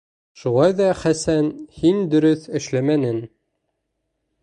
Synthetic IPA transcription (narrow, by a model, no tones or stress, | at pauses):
ʃulˠɑjðɑχæsænhind̪ɵ̆ɾɵθɘ̆ʃlæmænɘn